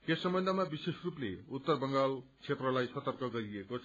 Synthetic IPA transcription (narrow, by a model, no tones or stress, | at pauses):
esːʌmbʌnd̪ʱʌmabisesruplḛut̪ːʌrbʌŋɡalt͡sʰet̪rʌlajsʌt̪ʌrkʌɡʌɾiekot͡sʰ